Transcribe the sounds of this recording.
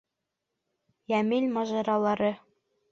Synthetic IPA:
jæmilʲmɑʒɑɾɑlˠɑɾɤ

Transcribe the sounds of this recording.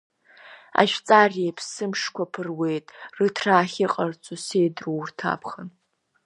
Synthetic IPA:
a̰ʃᶣt͡sʼarepʰsɨmʂkʷapʰɨrwe̞jtʼrɨtʰraːχʲɪqʼart͡sʷʰʼusejdruwrtʰa̰pʰχən

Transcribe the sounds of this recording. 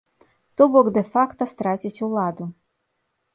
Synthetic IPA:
t̪ɔbɔɡd̪ɛfakt̪ɔst̪ɾatʲit͡sʲulˠɑd̪ʊ

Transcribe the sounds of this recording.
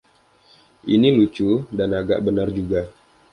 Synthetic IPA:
ʔinilut͡ʃudanaɡa̰ʔbənard͡ʒuɡa

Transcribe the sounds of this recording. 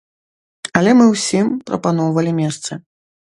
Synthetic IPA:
ɐlʲɛmɨwsʲimpɾɐ̰panɔwvɐlʲimʲɛst̪sɐ

